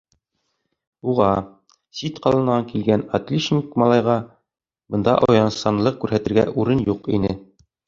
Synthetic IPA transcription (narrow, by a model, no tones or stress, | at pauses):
uʁɑ | sit̪qɑlˠɤ̆nɑŋkilɡænɐt̪lʲiʃnʲikmɑlˠɑjʁɑ | bɤ̆nd̪ɑ̰ʔɒjɑnsɑnlˠɤq̚kʉɾhæt̪ɘ̆ɾɡæ̰ʔuɾɤnjuqḭnɘ